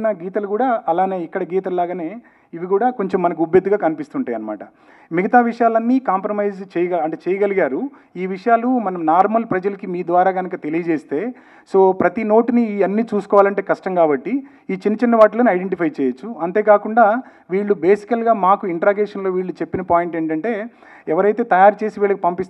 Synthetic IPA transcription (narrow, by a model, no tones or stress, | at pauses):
nɐɡiːt̪ɐlukuːɽaːɐlaːne̞ːikːɐɽɐɡiːt̪ɐllaːɡɐne̞ː | iʋiɡuːɽaːko̞ɲt͡ʃemːɐnɐk̬iubjɐd̪ːuɡaːkɐnipist̪uɳʈaːjɐnɐma̰ːʈɐ̰ | miɡɐt̪aːʋiʂɐjaːlɐnːiːkaːmpɾɐmɐjzt͡ʃɛːjɐɡaɐɳʈet͡ʃɛːjɐɡɐliɡaːɾu | iːʋiʂɐjaːlumɐnɐmnaːɾmɐlpɾɐd͡ʒɐlɐkimiːd̪ʋaːɾaːɡɐnɐkɐt̪e̞lijɐd͡ʒeːst̪e̞ː | so̞ːpɾɐt̪ino̞ːʈiniɐnːiːt͡ʃuːsu̥kɔːʋaːlɐɳʈeːkɐʂʈɐmkaːbɐʈːi | iːt͡ʃinːɐt͡ʃinːɐʋaːʈɐlɐːniɐjɖeɳʈipʰɐjt͡ʃɛːjɐt͡ʃːuɐnt̪e̞ːkaːkuɳɖaː | ʋiːɭːube̞ːsi̥kɐlɡaːmaːkuiɳʈɾaːɡeːʂɐnlo̞ːʋiːɭːut͡ʃe̞pːinɐpaːjiɳʈe̞ːɳʈɐɳʈe̞ː | ɛʋɐɾɐjt̪e̞ːt̪ɐjaːɾut͡ʃe̞ːsiʋiːɭɐkipɐmpist̪